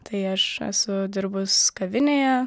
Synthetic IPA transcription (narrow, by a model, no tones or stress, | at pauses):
t̪ɐɪɐʃɛ̰sʊd̪ʲɪɾbʊskɐʋʲɪnʲeːjɛ